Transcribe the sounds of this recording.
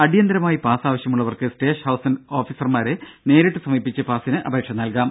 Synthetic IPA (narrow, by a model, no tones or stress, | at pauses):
ɐɽijɐnd̪ɐɾɐmaːjipaːsaːʋɐɕjɐmuɭːɐʋɐrkɨsʈe̞ːʂhɐwsɐno̞ːfiːsɐrmaːɾene̞ːɾeʈːɨsɐmiːpːit͡ɕːɨpaːsinɨʔɐ̰bʱeːkʂɐnɐlkaːm